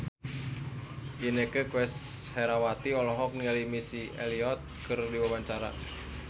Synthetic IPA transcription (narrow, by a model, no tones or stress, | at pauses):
ʔinekəkwɛsheɾawat̪iɔlɔɦɔk̚nialimisieliɔt̪̚kɨrdiwawaɲt͡ʃaɾa̰